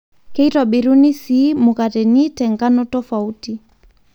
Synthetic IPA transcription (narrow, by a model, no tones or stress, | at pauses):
kɛitwaɓiɾunisimukatɛnitɛŋɡanɔtɔfauti